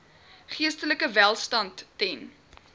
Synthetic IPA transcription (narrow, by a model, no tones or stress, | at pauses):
χiəstələkəvælˠstɐntːɛn